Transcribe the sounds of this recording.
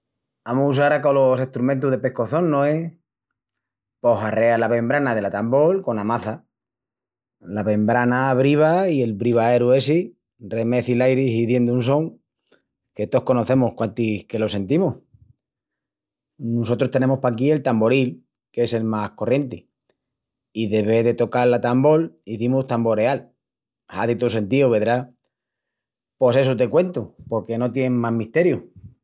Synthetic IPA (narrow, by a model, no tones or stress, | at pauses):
amousaɾakolose̞ht̪ɾumẽnt̪̬uɦðe̞pe̞hko̞θo̞nːoe | po̞hare̞alaβe̞mbɾanaðe̞lat̪ambo̞lko̞namaθa | laβe̞mbɾanaβ̞ɾiβ̞aie̞lβɾiβaeɾue̞si | re̞me̞θilajɾisiðje̞nd̪unso̞ŋ | ke̞t̪oohko̞no̞θe̞mohkwant̪ihke̞lo̞se̞nt̪imoh | noso̞t̪ɾost̪e̞nẽ̞mospakie̞lt̪ambo̞ɾil | ke̞se̞lmahko̞rje̞nt̪i | iðe̞βe̞ðe̞t̪o̞kaɾlat̪ambo̞liθimust̪ambo̞ɾe̞al | haðit̪ose̞nt̪ioβe̞ðɾa | po̞se̞sut̪e̞kwe̞nt̪upo̞ɾke̞no̞t̪̬je̞ŋmaɦmiht̪e̞ɾju